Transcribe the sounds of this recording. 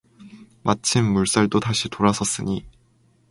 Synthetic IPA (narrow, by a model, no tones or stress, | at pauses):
mʔat͡ɕʰimːuɭs͈aɭdotaɕʰitoɾasʰʌs͈ɯɲi